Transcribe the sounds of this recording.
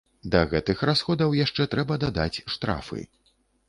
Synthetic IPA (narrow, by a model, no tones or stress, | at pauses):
d̪ɐɣɛt̪ɨxɾasxɔd̪ɐwjaʂt͡ʂɛt̪ɾɛbɐd̪ad̪at͡sʲʂt̪ɾa̰fɨ̰